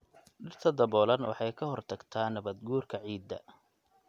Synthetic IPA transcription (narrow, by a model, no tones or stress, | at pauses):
ɖɪrt̪ʰɐd̪ɐβɔːlɐnwʔɑ̰ħɑjkʰɐɦɔrt̪ʰɐɡt̪ʰaːnːɐβɐd̪ɡuːrkʰɐʕiːd̪ɐ̰